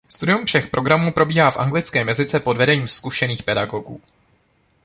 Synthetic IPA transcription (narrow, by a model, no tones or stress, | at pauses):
st̪udɪumfʃɛxpɾʔo̞ɡɾamuːpɾo̞biːɦaːfʔa̰ŋɡlɪt͡skɛːmjɛzɪt͡sɛpo̞dvɛdɛɲiːmskuʃɛniːxpɛdaɡo̞ɡṵː